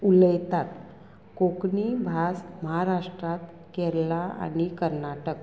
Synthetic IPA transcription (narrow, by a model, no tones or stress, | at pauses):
uləjt̪at̪ | kokɳibʱasməɦaɾaʂʈɾat̪ | kɛɾlaa̰nikəɾnaʈək